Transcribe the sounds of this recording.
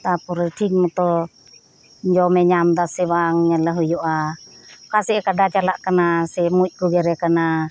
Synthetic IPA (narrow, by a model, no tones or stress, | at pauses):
t̪apuɾɛtʰiŋmut̪ɔ | ɲd͡ʒɔmɛɲamt̪asiβaŋɲalaɦujuʔa | kasiʔkadat͡ʃalaʔkanasimut̪̚ˀɡuɡɛɾɛkana